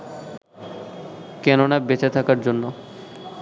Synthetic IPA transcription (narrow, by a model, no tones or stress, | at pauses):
kɛnonabet͡ɕat̪ʰakaɾd͡ʑonːo